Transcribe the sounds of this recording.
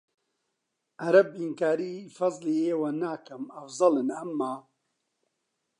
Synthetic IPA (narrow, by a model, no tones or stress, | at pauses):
ʔaɾɐbinkaːɾiːfɐzˤliːeːwɐnaːkɐmɐfzˤɑlɨnɐmːaː